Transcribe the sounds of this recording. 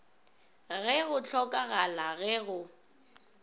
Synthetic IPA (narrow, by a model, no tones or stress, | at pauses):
ɣɛɣʊt͡ɬʰɔkʼaɣalaɣɛɣʊ